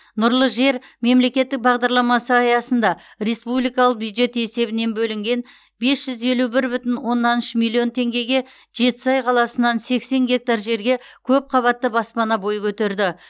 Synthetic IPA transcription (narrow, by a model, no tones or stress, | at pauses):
nʊɾlˠəʒe̞ɾme̞mle̞kʲe̞t̪ːɪk̚bɑʁd̪ɑɾlˠɑmɑsəɑjɑsənd̪ɑ | re̞spublijkɑlˠəq̚bjud̪ʒe̞t̪e̞se̞bɪne̞nbɵlɪŋɡʲe̞n | be̞sʒ̥ʏze̞lubɪɾbʏt̪ɪnwo̞nːɑnʏʃəmilʲːijo̞nt̪ʰe̞ŋɡʲe̞ɡʲe̞ | ʒe̞t̪ɪ̥sɑjqʰɑlˠɑsənɑnse̞kse̞ŋɡʲe̞k̚t̪aɾʒe̞ɾɡʲe̞kʲʰɵp̚qʰɑβɑt̪ːəbɑspɑnɑbo̞jəkʲʰɵt̪e̞ɾd̪ɪ